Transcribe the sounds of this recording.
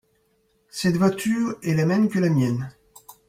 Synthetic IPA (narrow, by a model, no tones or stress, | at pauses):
sɛt̪vwat̪ʰyːʁɛlamɛmkʲəlamjɛn